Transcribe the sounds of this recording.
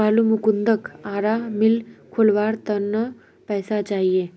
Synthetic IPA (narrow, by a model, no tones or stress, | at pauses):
aːlumukund̪əkaːɾamɪlkʰulʋaːɾt̪ənːə | pɛːsat͡ʃaːɦie